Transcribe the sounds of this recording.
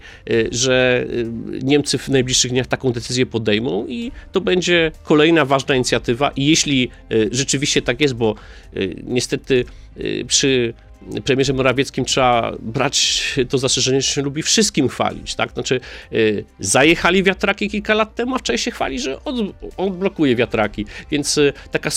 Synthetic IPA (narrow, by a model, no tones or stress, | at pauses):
ʐɛ | ɲɛmt̪sɘvnajblʲiʂʂɨɣd̪ɲaxt̪akɔ̃w̃d̪ɛt̪sɘzʲjɛpɔd̪ɛjmɔ̃w̃it̪ɔbɛɲd͡ʑɛkɔlɛjnavaʐnaiɲit̪sʲjat̪ɘva̰ʔijeɕlʲi | ʐɛt͡ʂɘvʲiɕt͡ɕɛt̪akjɛst̪̚bɔ̰ | ɲɛst̪ɛt̪ɘ | pʂɘ | pɾɛmʲɛʐɛmɔɾavʲjɛt̪skʲimtʂɛa̰bɾa̰t͡ɕt̪ɔzasʂɛʐɛɲɛʐɛɕɛlubʲifʂɨst̪̚kʲimxfa̰lʲḭt͡ɕt̪a̰k̪at͡ʂɘ | zajɛxalʲivʲjat̪ɾakʲikʲilkalat̪ːɛmuaft͡ʂaɕɕɛxfa̰lʲiʐɛʔɔd̪ɔd̪̚blɔkujɛvʲjat̪ɾakʲivʲjɛnt̪st̪aka